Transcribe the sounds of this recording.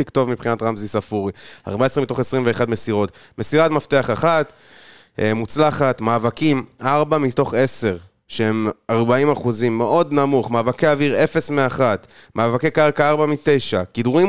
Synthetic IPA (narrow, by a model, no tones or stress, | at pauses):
ikt̪o̞vmipχinat̪ʁamzisafuʁia̰ʁbaesʁimit̪o̞χesʁimve̞ːχadme̞siʁo̞tme̞siʁatmafteaχaχat̪ | mut͡slaχat̪maːvakimaʁbamit̪o̞χe̞se̞ʁ | ʃeemaʁbaimaχuzimːeʔo̞d̪namuχmaːvakeaviʁe̞fe̞smeaχat̪mʔaːvake̞kaʁkaaʁbamit̪e̞jʃakid̪uʁim